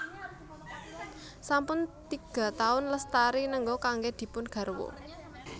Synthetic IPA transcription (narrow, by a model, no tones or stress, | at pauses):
sampʊnt̪iɡ̥a̤t̪aʊnləst̪aɾinəŋɡɔkaŋɡed̪̥i̤pʊnɡ̥ä̤rwo̰